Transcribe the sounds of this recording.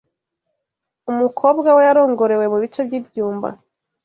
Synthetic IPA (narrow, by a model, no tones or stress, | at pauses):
umukʰo̞ːbɡawe̞jaɾo̞ːŋɡo̞ɾe̞we̞muβit͡ʃe̞bjiːbjuːmba̰